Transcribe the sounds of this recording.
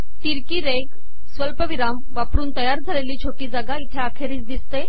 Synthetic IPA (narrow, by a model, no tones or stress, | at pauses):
t̪iɾkiːɾeɡ | sʋəlpəʋiɾamʋapɾuːnt̪əjaɾd͡zʱəleliːt͡ɕʰoʈiːd͡zaɡait̪ʰeakʰeɾiːt͡sd̪ist̪e